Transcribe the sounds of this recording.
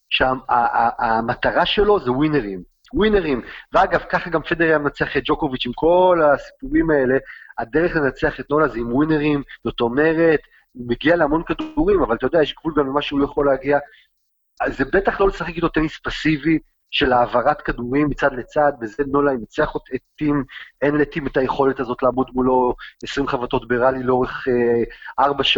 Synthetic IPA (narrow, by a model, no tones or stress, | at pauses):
ʃeaamat̪aʁaʃe̞lo̞zewineʁim | wineʁimveaɡavkaχaɡamfe̞deʁejamenat͡seaχet̪̚d͡ʒo̞ko̞vit͡ʃimko̞lasi̥puʁimae̞le̞ad̪eʁeχle̞nat͡seaχet̪̚no̞lazimwine̞ʁimzot̪ome̞ʁe̞t̪ | meɡialeamo̞nkad̪uʁimavalat̪ajodeajeʃɡvulɡamlemaʃulojaχo̞leaɡia | zebe̞t̪aχlo̞lesaχekit̪otenispasivi | ʃe̞laːvaʁat̪kaduʁimːit͡sad̪le̞t͡sad̪̚bezeno̞lainat͡seaχot̪et̪ːimenletimetaje̞χo̞letazo̞tlaːmod̪mulo̞esʁimχavat̪o̞tbeʁalileo̞ʁeχ | ʔaʁbaʃ